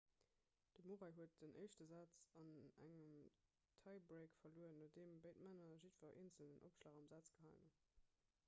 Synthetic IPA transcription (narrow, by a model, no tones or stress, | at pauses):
d̥əmoʁɑɪɦuət̚dənʔəɪʃtəzɑːt͡sɑnæ̰ŋəm | tʰɑɪbʁeɪkfɐluəənodeːmbəɪtmænɐʒitfɐʔḛːnt͡səldənʔo̰pʃlaːχɑmzæt͡sɡ̥əɦɑɪŋə